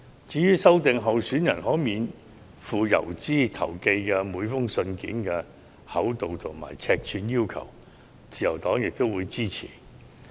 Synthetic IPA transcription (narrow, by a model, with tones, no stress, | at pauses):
t͡siː˨˧jyː˥sɐ˥wt̪ɪ˨ŋɦɐ˨˧wsyː˨˥njɐ˨˩nɦɔː˨˥jmiː˨˧n | fuː˨jɐ̰˨˩wt͡siː˥t̪ʰɐ̰˨˩wke˧jkɛː˧muː˨˧jfʊ˥ŋsɵ˧nkḭː˨˥nkɛ˧ | hɐ̰˨˥wt̪o˨wt̪ʰo˨˩ŋma̰ː˨˩jt͡sʰɛː˧k̚t͡ʃʰyː˨˧njiː˥wkʰɐ̰˨˩w | t͡siː˨jɐ˨˩wt̪ɔː˨˥ŋjɪ˨k̚t̪o˥wuː˨˧jt͡siː˥t͡sʰḭː˨˩